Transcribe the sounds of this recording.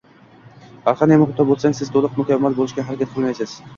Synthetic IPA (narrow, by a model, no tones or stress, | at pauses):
baɾˠχɑnemʊχʊt̪ʰːɒbolˠsaŋsɪzt̪ʰolˠʊq̚mʊkʲavːalˠbolˠɪʃɡʲaɦaɾakʲat̪̚qʰɨlˠmajsɪz̥